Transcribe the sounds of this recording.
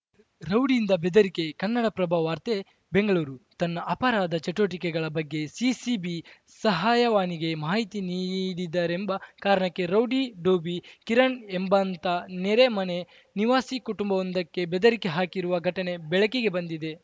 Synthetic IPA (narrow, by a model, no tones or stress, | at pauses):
ɾɐwɖiːnd̪ɐbed̪ɐɾike̞kɐnːɐɽɐpɾɐbʱaːʋaːɾt̪e | beŋɡɐɭuːɾut̪ɐnːɐʔɐpɐɾaːd̪ʱɐt͡ʃɐʈoːʈ̬ikɛɡɐɭɐbɐɡːe̞sisibi | sɐɦaːjɐʋaːniɡe̞maːɦit̪iniːɽid̪ːaːɾembɐkaːɾɐɳɐkːe̞ɾɐwɖiɖoːbikiɾɐɳembɐnt̪ɐneɾemɐne̞ | niʋaːsikuʈumbɐond̪ɐkːebɛd̪ɐɾike̞ɦaːkiɾuʋɐɡʱɐʈɐne̞bɛɭɐkeɡe̞bɐnd̪id̪e̞